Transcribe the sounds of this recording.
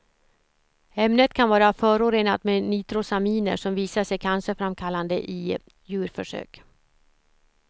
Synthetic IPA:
ɛmnət̪kʰanvɑːɾafœːɾoːɾeːnat̪meniːt̪ɾʊsamiːnə̰ʂɔmviːsaʂɛjkʰansəfɾamkʰalːand̪ə̰ʔɪ | jʉ̟ːɾfœʂø̰ːk

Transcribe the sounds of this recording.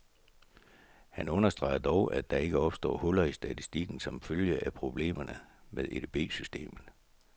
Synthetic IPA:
hænɔ̽nɐsd̥ʁɑ̈ɪd̥ɒʊʔæd̥ɑ̈e̝ɡ̥əɒ̽b̥sd̥ɒ̰ːhɔlɐisd̥æt͡sʰisd̥iɡ̥n̩sɒ̽mføljəʔæpʰʁo̝b̥le̝̰ːmɐnəmeðˠʔed̥eb̥e̝̰ːsysd̥e̝̰ːmn̩ˠ

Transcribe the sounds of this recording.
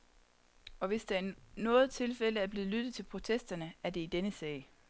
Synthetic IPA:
ɒ̽ʋe̝sd̥æænɔ̽ːð̩ˠt͡sʰe̝lfel̰əæɐb̥leːð̩ˠlyd̥ð̩ˠt͡sʰe̝lpʰʁo̝t͡sʰesd̥ɐnəæɐd̥e̝id̥enəsɛ̰ːɪ

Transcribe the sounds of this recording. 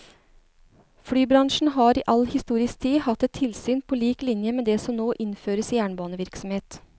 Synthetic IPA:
fɽyːbɾɑŋʃɳ̩ɦɑːɾiːʔɑlhɪst̪uːɾɪskt̪ʰiːhɑt̪ːɛt̪ʰɪlsyːnpʰoːliːklɪnjəmeːd̪eːsɔmnoːʔɪnføːɾəsjæːɳbɑːnəʋɪɾksɔmheːt̪

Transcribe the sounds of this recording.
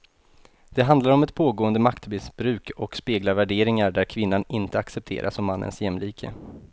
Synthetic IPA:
d̪̥ɛɦand̪laɾɔmɛt̪̚pʰoːɡoːənd̪əmakt̪mɪsbɾʉ̟ːkɔkspeːɡlaɾvæɖeːɾɪŋaɖæɾkʰvɪnːanɪnt̪əaksɛp̚t̪ʰḛːɾʔa̰sɔmːanːʔə̰nsjɛmliːkʰə̰

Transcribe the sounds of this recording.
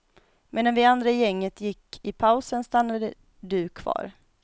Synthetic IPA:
mʔeːd̪anvɪand̪ɾajɛŋːət̪jɪkːɪpʰaʊsənst̪anːad̪ə | d̪ʉːkʰvɑ̰ːɾ

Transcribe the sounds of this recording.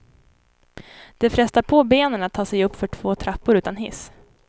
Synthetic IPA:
d̪̥ɛfɾɛst̪aɾpʰobeːnənat̪ʰːɑːsɛjɵpːfœʈʰv̥oːt̪ʰɾapːʊɾʉ̟ːt̪anɦɪ̰s

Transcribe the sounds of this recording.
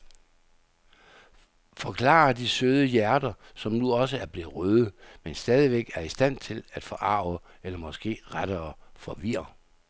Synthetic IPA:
fɒ̽kʰlɑ̰̈ɐd̥isøð̞ˠəjæɐd̥ɐsɒ̽mnuɒ̽səæɐb̥le̝ð̩ˠʁøðˠəmensd̥ɛːð̞ˠiʋeɡ̥æɐisd̥æn̰t͡sʰe̝læd̥fɒ̽ʔɑ̈ʊə | elɐmɒ̽sɡ̥e̝̰ːʁaɾ̥ɐːfɒ̽ʋiɐ

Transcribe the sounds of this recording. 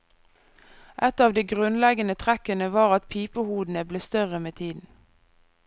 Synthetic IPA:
ʔɛt̪ɑːʋd̪iːɡʁʉnlɛɡənət̪ʰʁækənəʋɑːʁɑt̪pʰiːpəhuːd̪n̩əbleːst̪œʁəmeːt̪ʰiːd̪n̩

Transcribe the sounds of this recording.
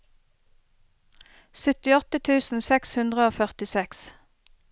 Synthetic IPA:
sʏt̪ɪɔt̪ət̪ʰʉːsn̩sɛkshʉnd̪ʁəoːfœʁt̪ɪsɛks

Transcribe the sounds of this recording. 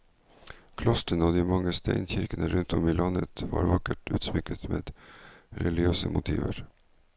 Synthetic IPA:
kʰlɔst̪ənoːd̪iːmɑŋːəst̪æɪnçɪɾkənəɾʉnt̪ʰɔmiːlɑnət̪ʋɑ̰ːɾʋɑkəʈʉːt̪smɪkət̪meːd̪ɾɛlɪøːsəmʊt̪ʰḭːʋəɾ

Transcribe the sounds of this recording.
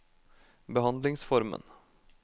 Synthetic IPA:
bəɦɑnd̪lɪŋsfɔɾmə̰n

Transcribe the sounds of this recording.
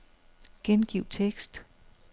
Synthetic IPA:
ɡ̥enɡ̥iʊ̰t͡sʰeɡ̥sd̥

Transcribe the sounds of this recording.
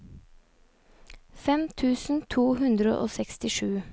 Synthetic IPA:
fɛmt̪ʰʉːsn̩t̪ʰuːɦʉnd̪ɾə̰ʔo̰ːsɛkst̪ɪʃʉː

